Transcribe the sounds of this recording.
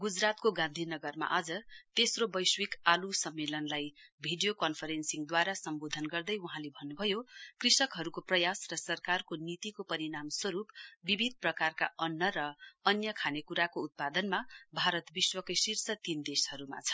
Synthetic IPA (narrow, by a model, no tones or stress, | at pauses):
ɡud͡zrat̪̚koɡãnd̪ʱinʌɡʌrma̰ʔad͡zʌt̪esrobʌjswikalusʌmːelʌnlajbʱiɖijokʌnpʰʌɾensiŋd̪waɾasʌmbod̪ʱʌnɡʌrd̪ʌjuɦãlebʱʌnːubʱʌjokrisʌkɦʌɾukoprʌjasrʌsʌrkarkonit̪ikopʌɾinamswʌɾupbibʱid̪̚ʱprʌkarka̰ʌnːʌrʌʌnjʌkʰanekuɾakoːt̪̚pad̪ʌnmabʱaɾʌt̪biswʌkʌjsirsʌt̪ind̪eshʌɾuma̰t͡sʰʌ̥